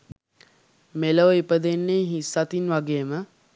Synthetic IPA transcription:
meləʋəipəd̪enːeːɦisat̪inʋaɡeːəmə

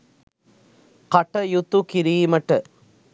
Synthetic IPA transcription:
kɐʈːɐjut̪ːukiɾiːmɐʈːɐ

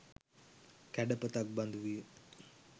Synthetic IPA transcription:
kæɖəpət̪ak̚band̪uʋijə

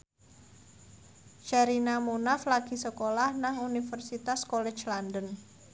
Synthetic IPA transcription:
t͡ʃaɾinamunaflaɡ̥i̤səkolahnaŋunifərsit̪askɔlɛ̥t͡ʃlandən

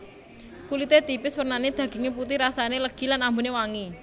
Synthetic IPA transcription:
kulit̪et̪ipɪswərnaned̪̥ä̤ɡ̥i̤ŋeput̪ɪhɾasaneləɡ̥i̤lanambunewaŋi

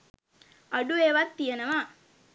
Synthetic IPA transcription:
ɐɖueːʋat̪ːijɐnɐʋa

